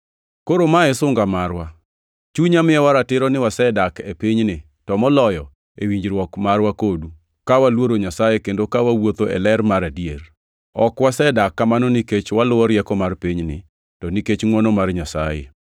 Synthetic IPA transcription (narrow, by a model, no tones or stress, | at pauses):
koɾomaɛsʊŋɡamarwa | t͡ʃuɲamɪɛwaɾatɪɾɔnɪwasɛdakepiɲnɪ | tɔmɔlɔjɔ | ewiɲd͡ʒɾwɔkmarwakodu | kawalwoɾoɲasajekendokawawot̪oʔɛ̰lɛrmaɾadjer | ɔkwasɛdakːamanɔniket͡ʃwalʊwɔɾjɛkɔmarpiɲnɪ̰ | tɔniket͡ʃŋwɔnɔmarɲasa̰jḛ